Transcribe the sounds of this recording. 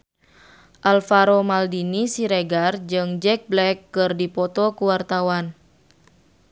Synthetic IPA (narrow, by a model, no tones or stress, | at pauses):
ʔalfaɾɔmaldinisiɾeɡard͡ʒɨŋd͡ʒɛk̚blɛkːɨrdipɔt̪ɔkuwart̪awan